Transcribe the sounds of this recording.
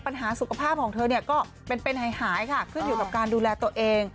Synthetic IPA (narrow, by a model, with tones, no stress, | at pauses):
pa˧nɦaː˩˦su˨˩kʰa˧pʰaː˥˩p̚kʰɔː˩˦ŋt̪ʰɤː˧ni˥˩ɐkɔː˥˩ | pe˧npe˧nhaː˨˩˦jhaː˩˦jkʰa˥˩kʰɯ˥˩njuː˨˩˦kaː˨˩kaː˧nduː˧lɛː˧t̪u˧əʔeː˧ŋ